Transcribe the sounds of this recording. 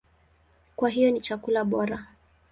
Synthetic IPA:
kwaɦijɔnit͡ʃakulaɓɔɾa

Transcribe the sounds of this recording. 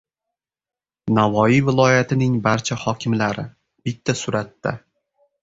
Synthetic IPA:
navɒivɪlˠɒjat̪ʰɪnɪŋbaɾt͡ʃʰahɒkʲʰɪmlaɾɪ | b̥ɪt̪ʰːasʊɾat̪ːa̰

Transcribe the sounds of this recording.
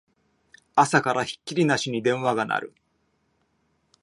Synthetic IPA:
asakaɾaçi̥kʲːiɾʲinaɕiɲ̟id̪ẽ̞ɰ̃βaɡana̰ɾɯ̟̰

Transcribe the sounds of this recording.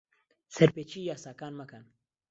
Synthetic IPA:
sɐɾpeːt͡ʃiːjaːsaːkaːnmakan

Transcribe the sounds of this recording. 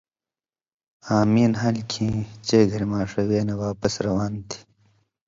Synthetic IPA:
aːmiːnɦɐlkʰĩːt͡ɕeːɡʱɐɾmaːʂɐweːnewaːpɐsɾɐwaːnt̪ʰi̥

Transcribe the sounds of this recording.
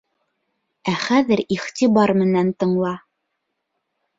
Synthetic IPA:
æχæðɘɾiχt̪ibɑɾmɘ̆nænt̪ɤ̆ɴlˠɑ

